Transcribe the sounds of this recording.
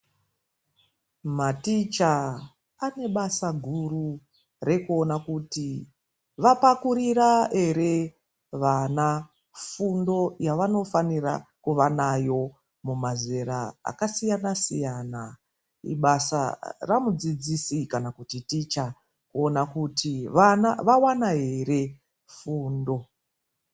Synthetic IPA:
matit͡ʃa | ane̞ɓasaɡʱuru | re̞kuo̞nakuti | ʋapakuɾirae̞ɾe̞ | ʋana | fundo̞jaʋano̞fanirakuʋanajo̞ | mumaze̞ɾaa̰kasijanasijaːna | ḭɓasa̰ramud͡zid͡zisikanakutitit͡ʃa | kuonakutiʋanaʋawanaɦe̞re̞ | fuːndo̞

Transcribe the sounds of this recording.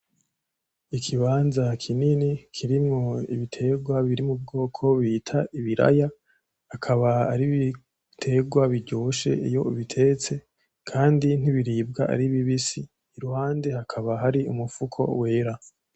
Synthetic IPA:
ikʰiβaːnzakʰininikʰiɾimŋo̞ḭβitʰe̞ɡwaβiɾimub̚ɡo̞ːkʰo̞βiːtʰaiβiɾa̰ja | hakʰaβaa̰ɾiβi | tʰe̞ɡwaβiɾɟoːʃe̞̰ijo̞̰βitʰe̞t͡se̞ | kʰaːndin̥iβiɾiːb̚ɡaa̰ɾiβiβisiː | ɾuhaːnde̞hakʰaβaɦaɾiṵmufukʰo̞̰we̞ːɾa

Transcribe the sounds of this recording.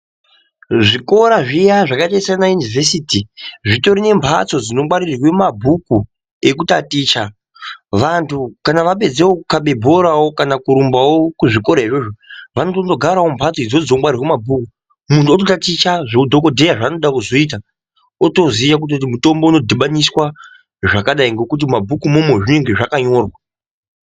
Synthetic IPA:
ʐiko̞ɾaʐijaʐakaitaisanajunivʱe̞sitiʐito̞ɾine̞mpʰat͡so̞d͡zinomwaɾirirwe̞mabʱuku | e̞kutatiːt͡ʃa | ʋantʰukanaʋape̞d͡zewokukaɓe̞bʱo̞ɾawo̞kanakuɾumbawo̞kuʐiko̞ɾaɦiʐo̞ʐoʋanotondo̞ɡʱaɾao̞mbʱat͡sid͡zod͡zomwarirwemabʱuku | muntuot̬otatit͡ʃaʐeudʱo̞ko̞dʱe̞jaʐaːno̞ɗakuzo̞iːt̬a | oto̞zijak̬ut̬ot̬imuto̞mbouno̞dʱiɓaniswa | ʐakaɗaiŋɡo̞kut̬imabʱukumumweʐine̞ŋɡe̞ʐakaɲo̞ːrwa

